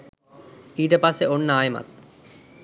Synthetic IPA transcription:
iːʈ̬ɐpaseonːəaːjma̰t̪̚

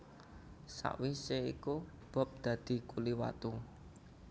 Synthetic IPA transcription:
sa̰ʔwiseḭku | b̥ɔ̤p̚d̪̥ä̤d̪̥i̤kuliwa̰t̪u

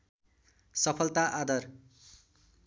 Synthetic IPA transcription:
sʌpʰʌlt̪aʔad̪ʌr

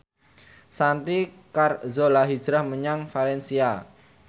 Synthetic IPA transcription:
sant̪i | karzolaɦid̥d͡ʒɾahməɲaŋfalɛnsia

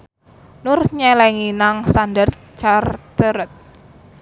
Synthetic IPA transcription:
nʊrɲɛlɛŋinaŋst̪andart̪̚ | t͡ʃart̪əɾət̪̚

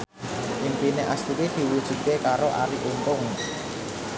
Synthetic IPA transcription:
ʔimpineʔast̪uɾid̪̥i̤wud̥ʒ̥ṳt̪̚kekaɾoʔaɾiʔump̪ʊŋ

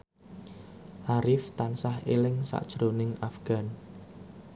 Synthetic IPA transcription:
ʔaɾɪft̪ansahelɪŋsa̰ʔd̥ʒ̥ɾonɪŋafɡ̥a̤n

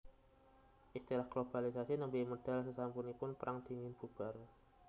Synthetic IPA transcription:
ʔist̪iɾahɡ̥lob̥alisasinəmbimod̥a̤lsəsampunipʊnpəɾʔaŋd̪̥i̤ŋɪnb̥ub̥a̤r

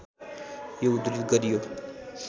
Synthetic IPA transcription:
jeud̪ɾid̪ɡəɾijo

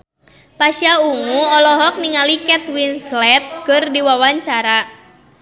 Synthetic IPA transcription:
paʃiauŋuɔlɔɦɔk̚niŋalikɛt̪winslɛt̪̚kɨrdiwawaɲt͡ʃaɾa

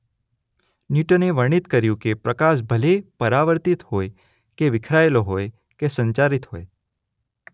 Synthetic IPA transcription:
niʈoneʋəɳ̃it̪kəɾjũkepɾəkaʃ̬bʱəlepəɾaʋəɾt̪it̪ɦoj | keʋɪkʰɾaeloɦoj | kesə̃ɲt͡ʃaɾit̪ɦoj

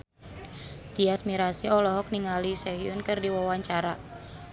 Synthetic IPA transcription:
d̪̥iasmiɾasiɔlɔɦɔk̚niŋalisɛɦiʊnkɨrdiwawaɲt͡ʃaɾa

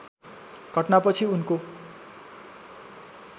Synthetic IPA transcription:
ɡʱʌʈnapʌt͡sʰiunko

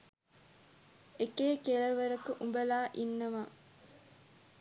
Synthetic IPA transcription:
ekeːkelɐʋɐɾɐkuʔumbɐlaːʔinːɐʋa

